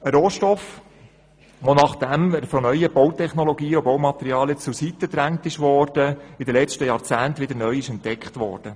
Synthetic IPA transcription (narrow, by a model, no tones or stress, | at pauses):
əɾoːʃtɔf | ʋonɑχd̪̥æməɾfɔnœʏəb̥ɔwtɛχnɔlɔɡiːɔbɔwmɑt̪ɛɾiɑːlət͡susit̪ːəd̪ɾæŋt̪ɪʃʋɔːɾd̥əɪd̪əlɛt͡ʃtəjɑɾt͡sæːnt̪ʋɪdəɾnœʏɪʃɛntdɛkχt̪ʋɔ̰ːɾd̥ə